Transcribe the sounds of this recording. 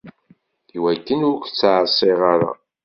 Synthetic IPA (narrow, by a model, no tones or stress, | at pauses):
iwækːənʊɾkʷt͡sːʕəsˤːiʁaɾa̰